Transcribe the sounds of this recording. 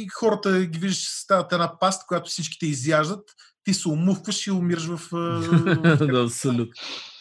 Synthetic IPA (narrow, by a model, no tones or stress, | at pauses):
ixɔɾət̪əɡʲiviʒd̪əʃt͡ʃi̥sst̪avət̪ɛnapast̪̚kʊjat̪ʊ̥fsit͡ʃkʲi̥t̪ɛizjaʒd̪ət̪ː | isɛʊmufkvəʃiʊmiɾəʃ̬vəf | d̪aɐpsolʲut̪no